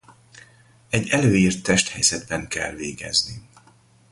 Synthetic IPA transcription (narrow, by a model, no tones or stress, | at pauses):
ɛɟːɛløːiːrt̪ːɛʃt̪hɛjz̥ɛd̪bɛŋkɛ̰lveːɡɛ̰zni